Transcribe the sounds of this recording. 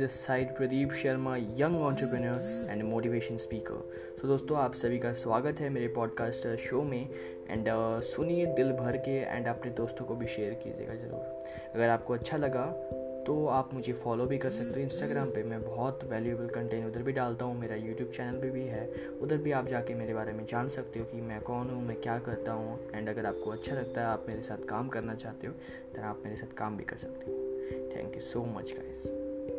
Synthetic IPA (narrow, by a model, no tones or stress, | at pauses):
d̪ɪsaːɪʈpɾɐd̪iːbʃɐɾmajɐ̃ŋɡɔ̃ːɳʈɾəpɾənəɾɛ̃ːɳɖmoːʈiʋeːʃə̃nspiːkə̰ɾ | soːd̪oːst̪õaːpsɐbʱikasʋaːɡət̪ɦɛmeːɾepɔːɖkaːsʈʃoːmẽ | ɛ̰̃ːɳɖsʊnied̪ɪlbʱɐɾkeɛ̰̃ːɳɖaːpned̪oːst̪õkobʱiʃeːɾkḭːd͡ʒḛːɡazɐɾṵːɾ | ɐɡəɾaːp̚koɐtːʃʰalɐɡa | t̪oaːpmʊd͡ʒʱefɔːlobʱikɐɾsɐk̚t̪eõɪ̃nsʈaːɡɾaːmpemɛ̃bɔɔːt̪ʋɛːljueːbəlkɐ̃ɳʈẽːnʊd̪əɾbʱiɖaːlt̪aɦũmeːɾajuːʈjuːbt͡ʃɛːnəlbʱibʱiɦɛː | ʊd̪əɾbʱiaːp̚d͡ʒaːkemeːɾebaːɾemẽd͡ʒaːnsɐk̚t̪eɦũkimɛ̃kɔːnɦũmɛ̃kjaːkɐɾt̪aɦũɛ̃ːɳɖɐɡəɾaːp̚koɐtːʃʰalɐɡ̚t̪aɦɛaːpmeːɾesaːt̪ʰkaːmkɐɾnat͡ʃaːɦt̪eɦõː | t̪ɛːnaːpmeːɾesaːt̪ʰkaːmbʱikɐ̰ɾsɐ̥k̚t̪eɦõt̪ʰɛ̰̃ːŋkjusoːmɐ̰t͡ʃɡa̰ːɪz